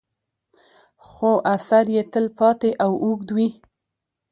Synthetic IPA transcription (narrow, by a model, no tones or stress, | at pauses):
xoʔasaɾjet̪əlpɑt̪eʔawuɡd̪wi